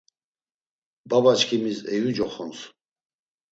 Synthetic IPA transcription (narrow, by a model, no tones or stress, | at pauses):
babat͡ʃkʰimisɛjud͡ʒɔχɔns